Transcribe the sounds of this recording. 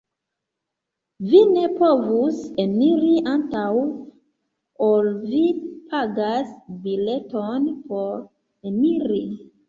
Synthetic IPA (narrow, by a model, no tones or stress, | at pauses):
vine̞povusemiɾiʔantaw | olvipʰaɡasbile̞tonpo̞ɾ | emiɾi